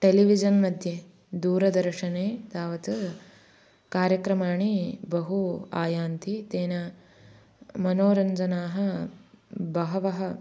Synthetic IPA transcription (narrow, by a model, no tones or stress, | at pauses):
ʈeliʋid͡ʒɐnmɐd̪ʱje | d̪uːɾɐd̪ɐɾʂɐneːt̪aːʋɐt̪u | kaːɾjɐkɾɐmaːɳibɐɦuaːjaːnt̪ʰit̪eːnɐ | mɐnoːɾɐɲd͡ʒɐnaːɦɐ̆ | bɐɦɐʋɐɦɐ